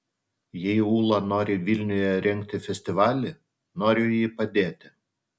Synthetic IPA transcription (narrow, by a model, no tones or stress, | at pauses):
jɛɪuːlˠɐnoːɾʲɪʋʲɪlʲnʲʊjɛɾʲɛŋʲkt̪ʲɪfʲɛsʲt̪ʲɪʋɑːlʲɪ | noːɾʲʊjiːpɐd̪ʲeːt̪ʲɪ